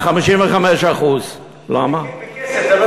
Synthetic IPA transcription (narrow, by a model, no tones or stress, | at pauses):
χamiʃinveχamɛʃaχuːz | la̰ma